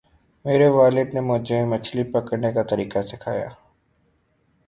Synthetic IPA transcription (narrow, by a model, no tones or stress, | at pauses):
meːɾeʋaːlɪd̪nemʊd͡ʒẽmət͡ʃʰlipəkəɾnekat̪əɾiːkasɪkʰa̰ːja̰ː